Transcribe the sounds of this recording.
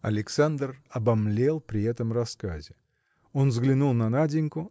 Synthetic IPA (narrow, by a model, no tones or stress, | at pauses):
ɐ̰lʲɪksand̪rɐbɐmlʲelˠpɾʲɪɛt̪əmrɐskazʲɪ | o̞nzɡlʲɪnulˠnɐnadʲɪnʲkʊ